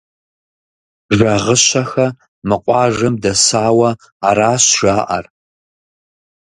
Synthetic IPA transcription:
ʒʷɐʁəɕɐxɐ | mɨqʷʼɑːʒɐmdɐsaːwɐ | aɾaːɕʒaːʔɐ̰r

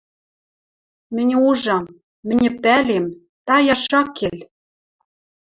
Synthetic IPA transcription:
mɘ̆nʲuʒɑm | mɘ̆nʲɘ̆pælem | t̪ɑjɑʃɑkːelʲ

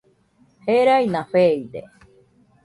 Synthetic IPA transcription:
heɾajnaɸeid̪ḛ

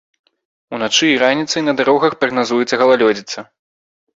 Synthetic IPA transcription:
unat͡ʂɨːɾanʲit̪sɨjnɐd̪aɾɔɣɐxpɾɐɣnazujut̪sːɐɣɐlˠalʲɔd͡zʲit̪sɐ

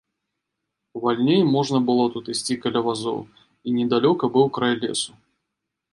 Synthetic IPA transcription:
valʲnʲejmɔʐnɐbɨlˠɔt̪ut̪ɨsʲt͡sʲikɐlʲavazɔ̰w | inʲɛd̪alʲɔkɐbɨwkɾajlʲɛ̰su̥

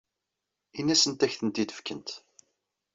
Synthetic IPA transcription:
inːæsənt̪æçθənt̪iθə̥fkənt̪

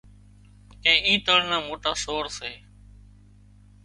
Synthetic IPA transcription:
ẽːʔĩːt̪əɽnãːmoːʈaːsoːɾseː

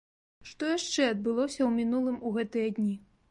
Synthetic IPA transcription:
ʂt̪ɔjaʂt͡ʂɛɐd̪̚bɨlˠɔsʲɐwmʲinulˠɨmuɣɛt̪ɨjɐd̪ʲnʲi

